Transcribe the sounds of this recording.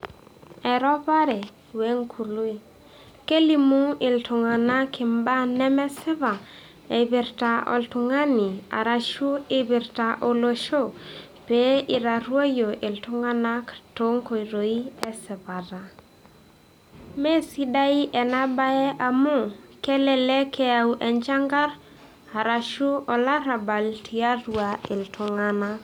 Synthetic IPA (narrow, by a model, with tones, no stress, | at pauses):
ɛ˨ɾɔ˦βa˦ɾɛ˨ | we˦ŋkʰu˨lu˦e˨ | ke˦li˦mu˦ɪ˨ltʊ˨ŋa˨na˦kɪ˨mba˦nɛ˦mɛ˦sɪ˦βa˨ | e˨βɪ˨ɾta˨ʔo̰˨ltʊ˨ŋa˦nɪ˨a̰˨ɾa˨ʃu˦ɪ˦βɪ˨ɾta˨ʔo˨lo˦ʃo˦˨ | pe˦ɪ˨ɾa˨ɾwo˦jo˨ʔɪ˨ltʊ˦ŋa˦na˦kto˦ŋko˨i˨ɾo˨i˦ɛ˦sɪ˨βa˨ɾa˨ | me˦si˦da˦i˦ʔɛ˨na˦ba˦ɛ˦ʔa˨mʊ˦˨kɛ˦lɛ˨lɛ˦kʰɛ˦a˨u˦ʔɛ˨ɲd͡ʒa˦ŋɡa˦ɾ | a˨ɾa˨ʃu˦ɔ˨la˦ɾa˨ba˨ltʰi˨a˦ɾwa˨ɪ˨ltʊ˨ŋa˦na˦